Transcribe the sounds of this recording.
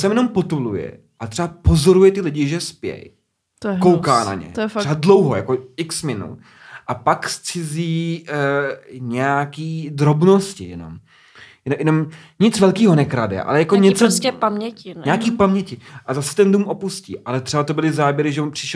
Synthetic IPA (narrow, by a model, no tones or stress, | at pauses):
sɛmjɛno̞mpot̪ulujɛ̰ | ʔat̪r̥ɛbapozo̞ɾujɛt̪ɪlɪɟɪʒɛspjɛ̰j | t̪kowkaːna̰ɲɛ̰t̪ːɛbadlowɦo̰ja̰koɪksmɪnṵ | ʔapakst͡sɪziː | ɲɛjakiːd̪ɾo̞bnoscɪ̰jɛno̰m | jɛjɛnom | ɲɪt͡svɛlkiːɦo̞nɛkɾadɛ̰ʔa̰lɛjakoɲɛt͡sosɛpamɲɛcɪnɲɛakiːpamɲɛcɪʔazasɛ̥t̪ɛnduːmʔo̞puscḭːʔalɛt̪r̥ɛbat̪o̞bɪlɪzaːbjɛɾɪʒɛonpr̥ɪʃ